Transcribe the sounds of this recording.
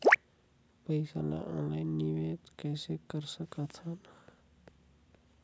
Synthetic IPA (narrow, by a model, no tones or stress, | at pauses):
pəɪsa̰la̰ʔɔ̃ːnlainːiʋet̪kɛːsekəɾsəkat̪ʰana